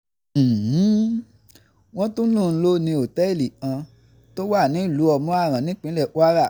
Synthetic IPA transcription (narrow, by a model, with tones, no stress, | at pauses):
h̩˨˦ | w̃ɔ̃˦tũ˦lũ˦˨n̩˦lo˦nĩ˧o˨tɛ˦˨li˨ã˧ | to˦wa˦˨nĩ˨˦i˦˨lu˨˦ɔ˧mɔ̃˦a˦˨ɾ̃ã˨nĩ˦k͡pĩ˨˦lɛ˦˨wa˦ɾa˦˨